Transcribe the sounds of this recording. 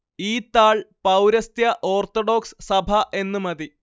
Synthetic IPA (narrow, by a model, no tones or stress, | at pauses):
iːt̪ːaːɭpɐwɾɐst̪jɐʔo̞ːrt̪oɽo̞ːkssɐbʱɐʔe̞nːɨmɐði